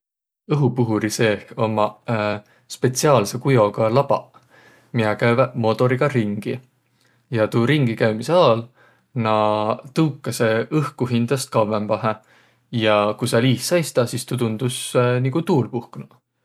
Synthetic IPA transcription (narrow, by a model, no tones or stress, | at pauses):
ɤɦupuɦuɾise̞ːho̞mɑ | spe̞t̪siɑːlse̞kujo̞ɡɑlɑb̥ɑ̰ | miɑkævmo̞t̪o̞ɾiɡ̥ɑɾiŋɡ̥i | jɑt̪uːɾiŋɡikæɥmiseɑːl | nɑt̪ɤwkːˑɑseɤhkuɦind̪̥ɑst̪̚kɑwempɑɦe | jɑkusɑliːssɑjst̪ɑsist̪ut̪und̪̥usniɡut̪uːlpuhknɑ